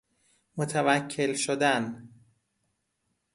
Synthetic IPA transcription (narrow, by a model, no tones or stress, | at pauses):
mot̪ʰævæcʰːe̞lʃod̪æn